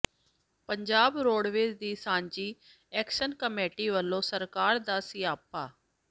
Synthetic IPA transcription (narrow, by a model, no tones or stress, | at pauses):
pəɲd͡ʒaːbɾoːɖʋeːd͡ʒd̪iːsãːɲd͡ʒiː | ɛːkʃənkəmeːʈiːʋəlːõːsəɾkaːɾd̪aːsɪːaːpaː